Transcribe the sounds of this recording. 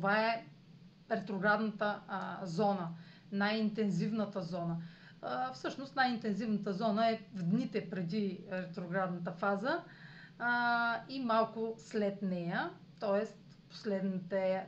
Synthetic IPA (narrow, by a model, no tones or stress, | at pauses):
t̪ovaɛ | ɾɛt̪ɾoɡɾad̪nət̪əzɔnə | najint̪ɛnzivnət̪əzɔnə | fsɤʃnost̪najint̪ɛnzivnət̪əzɔnəɛvd̪nit̪ɛpɾɛd̪iɾɛt̪ɾoɡɾad̪nət̪əfazə | imalˠkʊslɛt̪nɛjə | t̪ɔɛst̪ | po̥slɛd̪nit̪ɛ